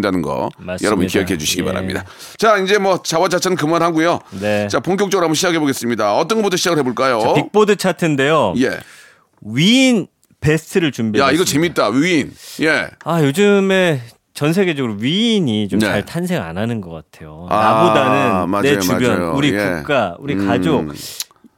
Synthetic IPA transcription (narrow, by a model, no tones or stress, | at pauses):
ndanɯnɡʌ̰majʌɾʌbunikiʌkʰee̞d͡ʑuɕʰiɡiba̰ɾa̰mɲḭda | t͡ɕaind͡ʑe̞mwʌt͡ɕawat͡ɕat͡ɕʰanɯnkɯmanɦaɡujone̞t͡ɕapoŋk̬͈jok̚t͡ɕʌɡɯɾohamboɕʰid͡ʑakʰe̞boɡes͈ɯmɲidaʌt͈ʌnɡʌputʰʌɕʰid͡ʑaɡɯɭhe̞boɭk͈ajoip͈odɯt͡ɕʰatʰende̞joje̞̰ | ɥiːn | pe̞stʰɯɾɯɭt͡ɕumbiaiɡʌt͡ɕe̞mit̚t͈awinje̞ajod͡ʑɯme̞ | t͡ɕʌns̬ʰe̞ɡe̞d͡ʑʌɡɯɾoɥiːɲit͡ɕomnaɭtʰansʰe̞ŋa̰nanɯnɡʌk͈atʰe̞joanabodanɯnmanet͡ɕubjʌnjuɾiuk͈auɾikad͡ʑo